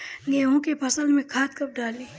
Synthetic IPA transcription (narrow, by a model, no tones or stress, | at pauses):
ɡeːɦõkepʰɐsəlmẽkʰaːt̪kɐp̚ɖaːli